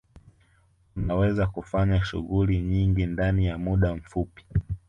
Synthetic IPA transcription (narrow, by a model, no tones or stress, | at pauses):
unawɛzakufaɲaʃṵɣuliɲiŋɡindanijamuɗam̩fupi̥